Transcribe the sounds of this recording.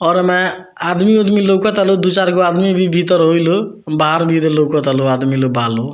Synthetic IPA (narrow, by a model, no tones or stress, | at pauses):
ɔɾmɛ̃ | ad̪miod̪milokɔt̪alod̪ut͡ʃaɾkoad̪mibʱibʱit̪ɔɾɦojlo | baɦaɾbʱid̪elokɔt̪aload̪milobʱalo